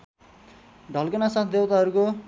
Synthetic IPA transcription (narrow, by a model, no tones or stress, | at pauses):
ɖʱʌlkʌnasat̪ʰd̪ewt̪aɦʌɾuko